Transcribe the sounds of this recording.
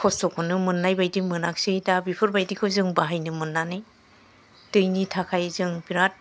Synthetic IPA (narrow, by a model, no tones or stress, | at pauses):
kʰɔstɔkʰɔnɯmɯnːajbajdimɯnak̚sɯjdabipʰɯɾbajdikʰɯzɯŋbaɦajnɯmɯnːanɯj | tɯjnitʰakʰajzɯŋbiɾat̚